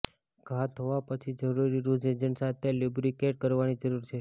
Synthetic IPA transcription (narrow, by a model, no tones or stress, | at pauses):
ɡʱat̪ɦoʋapət͡ʃʰid͡ʒəɾuɾiɾud͡ʒed͡ʒənsat̪ʰelubɾikeʈ̚kəɾʋanid͡ʒəɾuɾt͡ʃʰe